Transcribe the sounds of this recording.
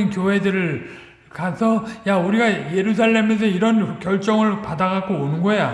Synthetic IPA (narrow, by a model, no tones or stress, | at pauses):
ɯnkjoɦe̞dɯɾɯɭ | kasʰʌjauɾiɡaje̞ɾusʰaɭːe̞mes̬ʰʌiɾʌnkjʌɭt͡ɕ͈ʌŋɯɭpadaɡaɡoonɯnɡʌja